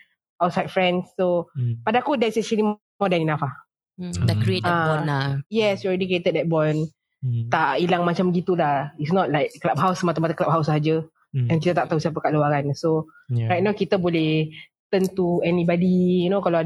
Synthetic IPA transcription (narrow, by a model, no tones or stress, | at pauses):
awt̚sajdfɹɛ̃nsːopadaakudɛsɛ̃ʃəlim | ɔdɛ̃ninafa | dakɾieaɔnajɛsjuɔlɹɛdikɹiet̪əd̚dɛt̚bɔn | t̪aʔilaŋmat͡ʃaməɡit̪ulahitsnɔt̚lajk̚ːlap̚ɦawsəmat̪amat̪akəlap̚ɦawsəɦad͡ʒə | ɛ̃nkit̪ət̪aʔt̪ausiap̬əkaʔluaɾanso | ɹajt̚nawkit̪əbolɛh | t̪ənt̪uɛnibadijunokalaa